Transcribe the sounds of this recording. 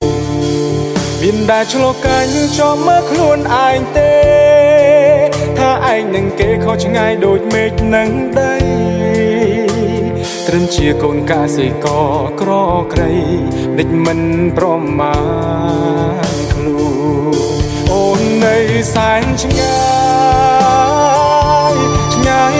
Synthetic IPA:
miənɗaɛt͡ɕʰlɔkaːjnɨŋt͡ɕɑhməːkʰluənʔaɛŋt̪eː | t̪ʰaːʔaɛŋnɨŋkeːkʰot͡ɕʰŋajɗoːc̚meːc̚nɨŋ | ɗəj | t̪rɨŋt͡ɕiəkoːnkaʔsikɑːkrɑːkrəj | ɗɨc̚mɨnprɑma | nkʰluː | ʔoːnːɨwsaɛŋt͡ɕʰŋa | jt͡ɕʰŋaj

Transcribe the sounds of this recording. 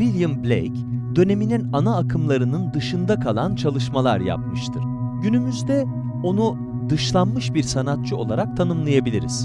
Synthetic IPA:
vilʲjɯmblʲḛjcd̪ø̞ne̞mininanaːkʰɯmlˠaɾɯnɯnd̪ɯʃɯnd̪akʰalˠant͡ʃʰalˠɯʃmalˠa̰ɾja̰p̚mɯʃt̪ʰɯɾ̥ɟynymyzd̪ɛ | o̞nu | d̪ɯʃlˠanmɯʃbiɾsanat̪̚t͡ʃʰɯo̞̰lˠaɾak̚t̪ʰanɯmlˠajabilʲḭɾḭz̥

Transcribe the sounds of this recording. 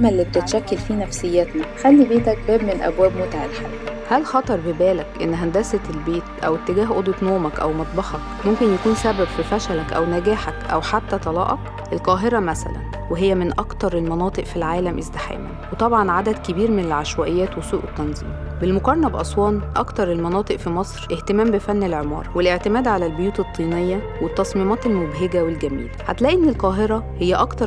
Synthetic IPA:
mælːib̚t̪et̪ʃækːelfiːnæfsejːæt̪næxælːibeːt̪æk̚bæːbmenelʔæ̰bwæːbmot̪aʕelħaːlhælxɑt̪ˤɑɾˤbebæːlækʔenːɦænd̪æsæt̪elbeːt̪ʔæ̰wet̪ːeɡæːɦʔod̪et̪noːʕmækʔæ̰wmɑt̪ˤbɑħɑk | momkenjækuːnsæbæbfifæʃælækʔæ̰wnæɡæːħækʔæ̰wħat̪ːæt̪ˤɑlɑ̰ːʔɑk | ʔelqɑːɦeɾɑmæsæ̰læ̰n | weɦejːæmenʔɑkt̪ɑɾˤelmɑnɑːt̪ˤɨʔfilʕaːlæmʔezd̪ɪħḛːmæ̰nwet̪ˤɑbʕɑnʕad̪æd̪kebiːɾmenelʕaʃwæʔejːæːt̪wesuːʔet̪ːɑnzˤḭːmbelmoqɑɾˤɑnɑbʔɑsˤwɑːnʔɑ̰kt̪ɑɾˤelmɑnɑːt̪ˤɨʔfimɑsˤɾʔeht̪emæːmbefænːelʕemɑ̰ːɾˤwelʔeʕt̪emæːd̪ʕalælbojuːt̪et̪ˤːiːnejːæ | wet̪ːɑsˤmiːmɑːt̪elmobɦeɡæwelɡæmḭːlæħat̪læʔenːelqɑːɦeɾˤɑhejːæʔɑkt̪ɑɾˤ

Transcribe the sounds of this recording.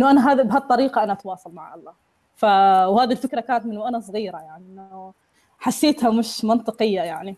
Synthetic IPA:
ʔɪnːʊʔanaɦabɦadt̪ˤːɑɾiːqɑʔanaʔat̪wɑːsˤɑlmaʕʔɑ̰lˤːɑː | fawhaːðilfɪkɾˤakaːnat̪mɪnːʊʔanasˤɣiːɾajaʕninː | ħasːeːt̪hamɪʃmɑnt̪ˤɨqɨjːajaʕni

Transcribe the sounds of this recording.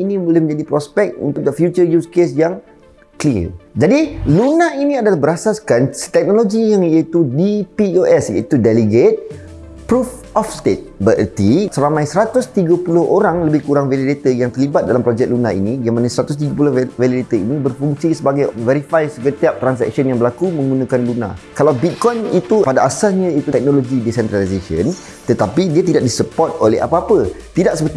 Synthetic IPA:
inĩmulɛhmə̃ɲd͡ʒadipɾɔspɛk̪̚ṵnt̪ʊk̚d̪əfjut͡ʃəjuskesjaŋ | kliə̰d͡ʒadilunãinĩadalahbəɾasaskanst̪ɛk̚noloɡijaŋiat̪udipioʔɛsḭt̪udɛləɡet̪̚ | pɾuf | ɔfst̪et̪̚bəʔə̰t̪isəɾamãjsəɾat̪ʊst̪iɡəpulʊhoɾaŋləbɪhkuɾaŋvelidet̪əjaŋt̪ərlibat̪̚dalamplod͡ʒɛk̚lunaḭnĩɡamanasəɾat̪ʊst̪iɡəp̬ulʊvelidet̪əinĩbərfuŋsisəbaɡajvɛɾifajsəɡət̪iap̚t̪ɾans̬ɛ̰k̚sənjaŋbəlakumə̃ŋɡunãkanluna̰kalawbit̪̚kɔjnit̪upadaʔasasɲãit̪ut̪ɛk̚nõloɡidisɛnt̪ɾalisesə̰n | t̪ət̪apidiat̪̬idaʔ̚disəpɔrt̪̚olḛha̰paapət̪idaʔ̚səpərt̪i

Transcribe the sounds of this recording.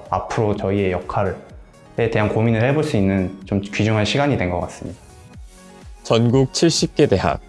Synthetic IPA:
a̰pʰɯɾot͡ɕʌie̞jʌkʰaɾɯɭ | te̞te̞ɦankominɯɭhe̞boɭs͈uinːɯnt͡ɕomkɥid͡ʑoŋɦanɕʰiɡaɲidwe̞nɡʌk͈as͈ɯmɲida | t͡ɕʌnɡuk̚t͡ɕʰiɭɕ͈ip̚k͈e̞de̞ɦa̰k̚

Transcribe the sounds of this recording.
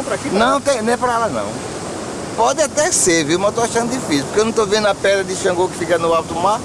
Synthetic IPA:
w̃pɾakinɐ̃w̃t̪ẽj̃nẽɛpɾɐɛlɐnɐ̰̃w̃ | pɔd̪ɪat̪ɛseɾviwmãzt̪oaʃɐ̃nd̪d̪ifisipoɾkewnɐ̃w̃t̪ovẽnd̪ɐpɛd̪ɾɐd̪ɪʃɐ̃ɡoɾkɪ̥fikɐnʊawt̪umaɾ

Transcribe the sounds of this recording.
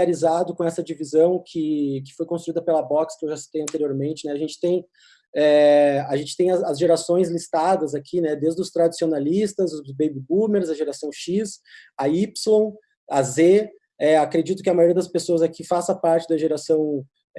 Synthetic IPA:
aɾizad̪ʊkõɛsɐd͡ʒivizɐ̃w̃kʰɪkɪ̥fojkõst̪uid̪ɐpelɐbɔkskɪewʒasi̥t̪ejɐ̃nt̪eɾioɾmẽnt͡ʃɪnɛaʒẽnt͡ʃɪ̥t̪ẽj̃ | ɛaʒẽnt͡ʃɪ̥t̪ẽj̃ɐɐzʒeɾasõj̃zlist̪ad̪ɐzakʰinɛd̪ezd̪ʊst̪ɾad͡ʒi̥sionalist̪ɐzʊzzbejbibumeɾzɐʒeɾasɐ̃w̃ʃisɐipslõw̃ | ɐze | ɛakɾed͡ʒit̪ʊkɪɐmajoɾijɐd̪ɐspesoɐzakifasɐpaɾt͡ʃɪd̪ɐʒeɾasɐ̃w̃

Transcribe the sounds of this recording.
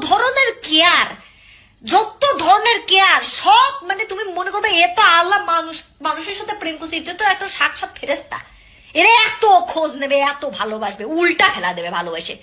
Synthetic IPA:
d̪ʱɔɾoneɾkeaɾ | d͡ʑot̪ːod̪ʱɔɾoneɾkeaɾʃɔbmanet̪umimonekoɾbeet̪oalːamanuʃmanuʃeɾʃat̪ʰepɾenkosʰiit̪ot̪oɛk̚ʈaʃakʃat̪̚fʰeɾest̪a̰ | eɾeɛt̪okʰod͡ʑnebeɛt̪obʱalobaʃbeulʈapʰɛlad̪ebebʱalobaʃe

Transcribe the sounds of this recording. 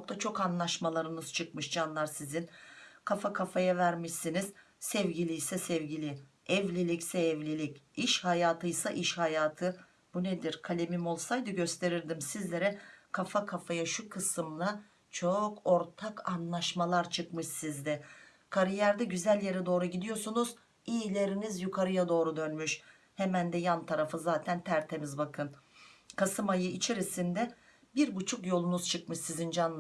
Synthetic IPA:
ok̚t̪ʰat͡ʃʰo̞kanlˠaʃmalˠaɾɯnɯz̥t͡ʃʰɯkmɯʃd͡ʒanlˠaɾsizinkʰafakʰafajavæɾmiʃsiniz̥ | sɛvɟilʲijsɛsɛvɟilʲi | ɛvlʲilʲicsɛːvlʲilʲiciʃhajaːt̪ʰɯjsaʔiʃhajaːt̪ʰɯ | buned̪iɾkʰalʲemimolˠsajd̪ɯɟø̞st̪ʰe̞ɾiɾd̪imsizlʲe̞ɾɛkʰafakʰafajaʃukʰɯsɯmlˠa | t͡ʃʰo̞kʰo̞ɾt̪ʰakʰanlˠaʃmalˠaɾt͡ʃʰɯkmɯʃsizd̪ɛ | kʰaɾijæɾd̪ɛɟyzælʲje̞ɾɛd̪o̞ːɾuɟid̪ijo̞sunuz | ijilʲe̞ɾinizjukʰaɾɯjad̪o̞ːɾud̪ø̞nmyʃ | hemænd̪ɛjant̪ʰaɾafɯzaːt̪ʰænt̪ʰæɾt̪ʰe̞mizbakʰɯnkʰasɯmajɯit͡ʃʰe̞ɾisind̪ɛ | biɾbut͡ʃʰukjo̞lˠunuz̥t͡ʃʰɯkmɯʃsizind͡ʒan

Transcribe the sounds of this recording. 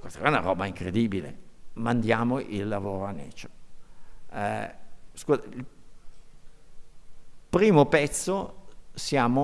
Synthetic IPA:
kwest̪aɛɾauna̰ɾɔːbaiŋkɾed̪iːbilḛmand̪jaːmoʔilːavoːɾoanːɛ̰ːt͡ʃo̥ | skuːzail | pɾiːmopɛt̪sːosjaːmo

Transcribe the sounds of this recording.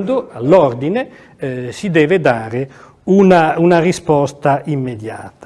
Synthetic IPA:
nd̪oalːɔrd̪ine | sid̪ɛːved̪aːɾe | unaunarispɔst̪aimːed̪ja̰ːt̪a

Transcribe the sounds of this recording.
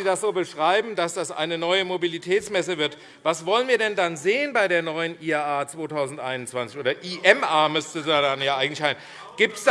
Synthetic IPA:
iːdasz̥oːbəʃʁ̥aɪbm̩dasd̥asʔa̰ɪnənɔʏəmobilitʰɛːt͡smɛsəvɪɐt | vasv̥ɔlənviːɐdɛndanzeːənbaɪɾeːɐnɔʏənʔiːaːaːt͡sv̥oːtʰaʊzn̩tʔa̰ɪnʊntt͡sv̥ant͡sɪ̥çoːdɐʔiːʔɛmʔaːmʏstədaːdanjaːʔaɪɡŋ̩tlɪçhaɪ | ɡ̥iːp̚ts

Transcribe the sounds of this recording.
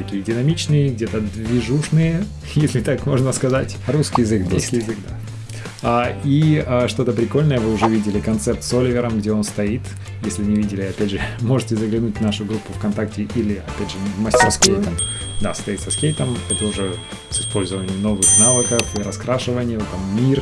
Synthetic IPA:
t̪ɐkʲijədʲɪnɐmʲit͡ɕnɨjəɡdʲet̪əd̪vʲɪʐuʂnɨjə | jesʲlʲɪt̪akmo̞ʐnəskɐzatʲɾuskʲɪjɪzɨk̪uskʲijɪzɨkd̪a | aiaʂt̪o̞t̪əpɾʲɪko̞lʲnəjəvɨʊʐɛvʲidʲɪlʲɪkɐnt̪sɛrt̪solʲɪvʲɪɾəmɡdʲeo̞nst̪ɐit̪ | jesʲlʲɪnʲɪvʲidʲɪlʲɪɐpʲædʲʐɨmo̞ʐɨtʲɪzəɡlʲɪnutʲnaʂʊɡɾupːʊfkɐnt̪aktʲɪʔilʲɪɐpʲædʲʐɨvməsʲtʲɪrskʲejt̪əmd̪ast̪ɐit̪sɐskʲejt̪əmɛt̪əʊʐɛ | sɨ̥spo̞lʲzəvənʲɪjəmno̞vɨxnavəkəfiɾɐskɾaʂɨvənʲɪjt̪ːamːʲir

